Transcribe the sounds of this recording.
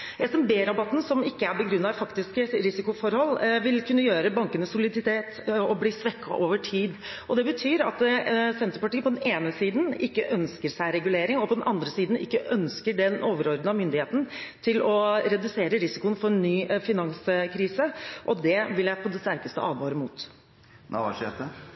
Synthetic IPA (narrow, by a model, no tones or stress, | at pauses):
jæɪsɔmbeːɾɑbɑt̪ːn̩sɔmɪkːəæɾbɛɡɾʉnːɑfɑkt̪ɪskəɾɪsɪkʊfɔɾhɔlːʋɪlkʰʉnːəjøːɾəbɑŋkənəsʊlɪd̪ɪt̪ʰeːt̪ɔbliːsʋɛkːɑ̰ʔoːʋəʈʰiːd̪ | ʔɔd̪ɛbət̪ʰyːɾɑ̰t̪sɛnt̪əɾəpɑʈiːəpʰɔd̪ɛneːnəsiːd̪n̩ɪkːəʔœnskəɾʂæɪɾɛɡʉleːɾɪŋɔpʰɔd̪ɛnʔɑnd̪ɾəsiːd̪n̩ɪ̰kːəʔœnskəɖɛnoːʋəɾɔɾd̪nɑmʏnd̪ɪheːt̪n̩t̪ʰɪlɔɾɛd̪ʉseːɾəɾɪsɪkʊənfɔɾɛnːyːfɪnɑŋskʰɾiːsəʔɔd̪ɛʋɪljæɪpʰɔd̪ɛst̪æɾkəst̪ə̰ʔɑ̰ːd̪ʋɑːɾəmṵːt̪ | nʔæ̰ʋɑ̰ʂɛt̪ə